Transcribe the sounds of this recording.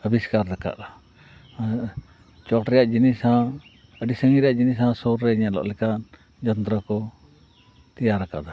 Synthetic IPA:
əbiskaɾd̪ɛka̰ʔa | t͡ʃɔʈɾɛjaʔd͡ʒinisã | əɖisəŋiɾɛjaʔd͡ʒinisãsoɾɾɛiɲaʔlɔ̰ʔlɛkan | d͡ʒənt̪ɾəkɔ | t̪ɛjaɾakad̪a

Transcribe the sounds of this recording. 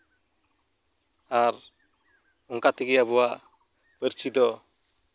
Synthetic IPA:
aɾ | ɔŋkat̪ʰekɛaβɔwa | pəɾsid̪ɔ

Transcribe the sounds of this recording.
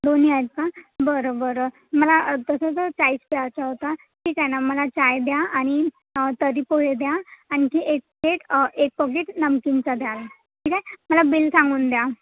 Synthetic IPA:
d̪oniajt̪̚kabəɾobəɾə | məlat̪əsət͡sət͡saiːspeat͡saɦot̪a | ʈʰiːkajnaməlat͡ɕajd̪jaʔaɽ̃i | t̪əɾipoɦed̪jaañikiʔek̚pkeʈek̚pəkeʈnəmkint͡sad̪jala | ʈʰiːkajməlabilsãŋɡuːnd̪ja

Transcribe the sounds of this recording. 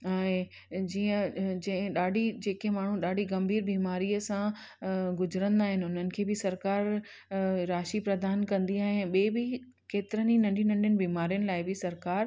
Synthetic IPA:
ɛ̃ː | d͡ʑiːə̃d͡ʑɐ̃ɪ̃ɗaːɖʱid͡ʑeːkemaːɳ̤ũɗaːɖʱiɡɐmbʱiːɾbiːmaːɾiəsã | ɡʊzɾə̃nd̪aːɦɪnɪ̆ʊn̤ənɪ̆kʰeːbɪsɐɾkaːɾ | ɾaːʃipɾɐd̪aːnkɐ̃nd̪iaːɦɪ̃ɓeːbɪ | keːt̪ɪɾəninɐ̃ɳɖʱinɐ̃ɳɖʱijənɪ̆biːmaːɾijənɪ̆laːɪbɪsɐɾkaːɾ

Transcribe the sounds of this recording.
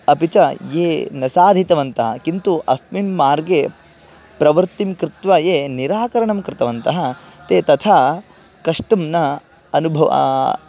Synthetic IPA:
ɐpit͡ʃɐjeːnɐsaːd̪ʱit̪ɐʋɐnt̪ɐɦɐkint̪uʔɐsmimːaːɾɡe | pɾɐʋɐɾt̪imkɾɪt̪ʋɐjeːniɾaːkɐɾɐɳɐmkɾɪt̪ɐʋɐnt̪ɐɦɐt̪eːt̪ɐt̪ʰaː | kɐʂʈɐmnɐ | ɐnubʱɐʋɐ̰

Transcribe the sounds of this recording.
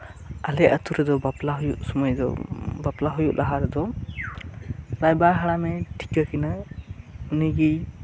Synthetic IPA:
alɛʔət̪uɾɛd̪ɔbaplaɦujuʔ̚sɔmɔjd̪ɔ̰baplaɦujuʔlʔaɦaɾɛd̪ɔ | ɾajbaɦaɽamɛʈʰi̥kakina | uniɡij

